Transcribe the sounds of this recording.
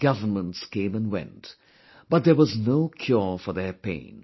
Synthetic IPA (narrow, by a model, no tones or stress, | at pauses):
ɡ̥ʌvə˞mə̃ntskẽɪ̃mə̃nwɛ̰̃nt | b̥ʌt̪̚ðə˞wʌznoʊkʰj̥ɔɹfɔ˞ðəpḛ̃ɪ̃n